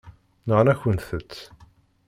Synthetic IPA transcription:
nəʁnæçənθət͡sː

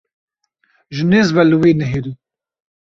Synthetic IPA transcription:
ʒɨneːzvɛlɨwiːnɛɦeːɾu

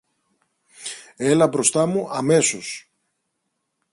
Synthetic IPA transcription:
e̞lɐbɾo̞st̪ɐmuʔɐme̞so̞s

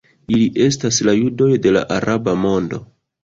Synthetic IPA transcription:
iliʔe̞staslajudo̞jde̞la̰ʔaɾabamo̞ndo̞̰

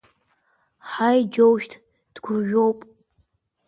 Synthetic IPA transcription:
ħajd͡ʒowʃtʰ | d̥ɡʷʊʒᶣowpʼ

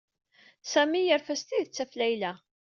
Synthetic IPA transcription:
sæmijəɾfæst̪iðət͡sːæflæjlæ

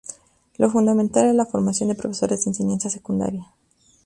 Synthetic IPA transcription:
lo̞fund̪ament̪alezlafo̞ɾmasjo̞nd̪epɾo̞feso̞ɾezd̪enseɲansjase̞kund̪a̰ɾja

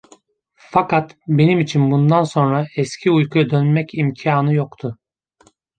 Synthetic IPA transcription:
fakat̪be̞nimit͡ʃʰinbund̪anso̞nɾaɛscʰiujkʰujad̪ønmɛcʰimcʰiaːnɯjokt̪ʰʊ

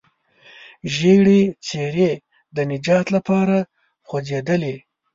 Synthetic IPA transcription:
ʒeɡɽet͡seɾe | d̪ənɪd͡ʒɑt̪lapɑɾa | xwod͡zed̪əle

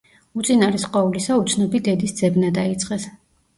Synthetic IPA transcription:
ut̪sʼinaɾɛsqʼwaulisaut̪sʰnɔbid̪ɛd̪isd̪z̥ɛbnad̪ait̪sʼqʼɛs

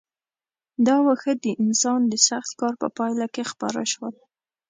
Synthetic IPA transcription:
d̪ɑwəxəd̪əʔɪnsɑnd̪əsaxt̪kɑɾpə̰pɑjlakexpɑɾa̰ʃwəl

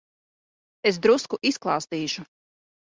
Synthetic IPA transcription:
es̬d̪ɾuskuʔisklˠɑːst̪iːʒu

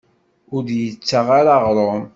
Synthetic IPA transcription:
ʊɾdjət͡sːaʁaɾaʁɾˤom

